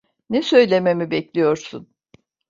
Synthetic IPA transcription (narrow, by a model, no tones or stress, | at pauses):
nɛsø̞jlʲe̞me̞mibɛclʲijo̞ɾsun